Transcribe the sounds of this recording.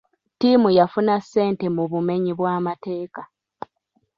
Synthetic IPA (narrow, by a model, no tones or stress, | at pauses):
tiːmujafunasːe̞ːnte̞muβume̞ɲiβwaːmate̞ːka